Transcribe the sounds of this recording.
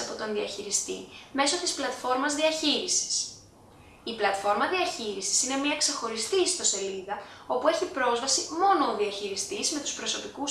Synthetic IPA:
ɐpo̞t̪o̞nðiɐçiɾist̪ime̞so̞t̪isplɐt̪fo̞ɾmɐzðiɐçiɾisi̥s | iplɐt̪fo̞ɾmɐðiɐçiɾisi̥sine̞miɐkse̞xo̞ɾist̪ist̪o̞se̞liðɐo̞pue̞ɾçipɾo̞zvɐsimo̞no̞ːðiɐçiɾist̪izme̞t̪u̥spɾo̞so̞pikus

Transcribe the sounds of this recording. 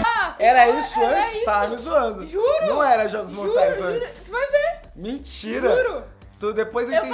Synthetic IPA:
ɛɾɐisʊɐ̃t͡ʃɪt̪avmizuɐ̃nd̪ʊʒuɾnɐ̃w̃ɛɾɐʒɔɡʊzmoɾt̪ajzɐ̃t͡ʃ | fojve | mẽt͡ʃiɾɐɾ | t̪ud̪epojzẽt̪ẽ

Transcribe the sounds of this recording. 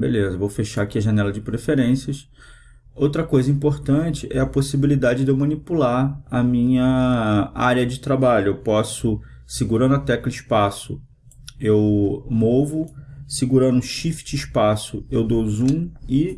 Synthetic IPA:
bḛlezɐvowfeʃaakiɐʒɐnɛlɐd͡ʒɪpɾefeɾẽsiɐʃ | owt̪ɾɐkojzɐĩmpoɾt̪ɐ̃t͡ʃɪʔɛɐposibilid̪ad͡ʒɪd̪ewmɐ̃nipulaɾɐmĩɲɐ | a̰ɾjɐd͡ʒɪt̪ɾabaʎʊewpɔsʊ | siɡuɾɐ̃nd̪ʊat̪ɛɐkliʃpasʊ̰ | ewmovʊsiɡuɾɐ̃nd̪ʊ̃ʃift͡ʃɪiʃpasʊewd̪owzũɪ

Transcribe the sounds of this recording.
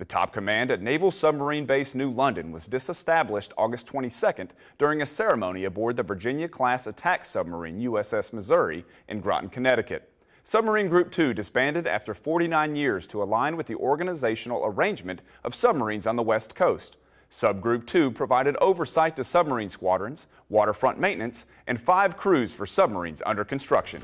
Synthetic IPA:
ðɨtʰɑ̰p̚kʰɨmæ̃ndɨtⁿneɪvl̩ˠsʌb̚mə˞ĩnbeɪsnʉlʌ̃ndɨ̃nwʌzdɨsəstæblɪʃtʰɔɡɨstʰw̥ɛ̃ɾ̃isɛkɨ̃n | d̥ʊɹɪ̃ŋɨsɛɹɨmõʊ̃niɨbɔɹd̪̚ðɨvə˞d͡ʒɪ̃njɨkʰl̥æsɨtʰæksʌb̚mə̰˞ḭ̃njʉɛsɛsmɨzəɹḭ | ʔɨ̰̃nɡɹɑ̰ʔn̩kʰɨnɛɾɨkɨ̰t̚ | sʌb̚mə˞ĩnɡɹʉp̚tʰʉdɨspæ̃ndɨɾæ̰ftə˞fɔɹɾinãɪ̃njɪɹz̥tʰəəlãɪ̃nwɨðiʔɔɹɡɨnɨzeɪʃn̩l̩ˠə̰˞ẽɪ̃nd͡ʒmɨ̃nt | ʔʌv̥sʌb̚mə˞ĩnzn̩ðəwɛskʰoʊst | sʌb̚ɡɹʉp̚tʰʉpʰɹ̥əvaɪɾɨɾo̰ʊvə˞saɪtʰɨsʌb̚mə˞ĩnskwɑdɹɨ̃nz̥ | wɔɾə˞fɹʌ̃nʔmẽɪ̃nʔɨ̃nts | ʔɨ̃nfaɪv̥kʰɹ̥ʉz̥fə˞sʌb̚mə̰˞ḭ̃nzʌ̰̃ndə˞kn̩stɹ̥ʌkʃɨ̰̃n

